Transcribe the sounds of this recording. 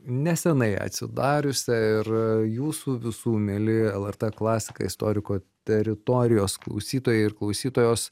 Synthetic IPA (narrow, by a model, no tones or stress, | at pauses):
nʲɛsʲɛnɐɪɐ̰t̪ʲsʲɪd̪ɑːɾʲʊsʲɛɪrjuːsuʋʲɪsuːmʲelʲɪɛlˠɛrt̪ɛklˠɑːsʲɪ̥kɐ̰ɪst̪o̰ːɾʲɪkoːt̪ʲɛɾʲɪt̪oːɾʲɪjoːsklˠɐ̰ʊsʲiːt̪oːjɛɪɪrklˠɐʊsʲiːt̪oːjoːs